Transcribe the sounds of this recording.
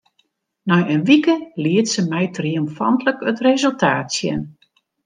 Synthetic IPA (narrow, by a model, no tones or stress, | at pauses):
nɔjənʋikəliətsəmɛjtriomfɑ̰ntləkətrezəlˠtʰaːtsjɛ̰n